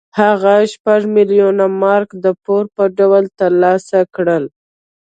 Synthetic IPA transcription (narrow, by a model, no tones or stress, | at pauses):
haɣaʃpaʐmɪljunamɑɾkd̪əpoɾpəɖawəlt̪əlɑsakɽəl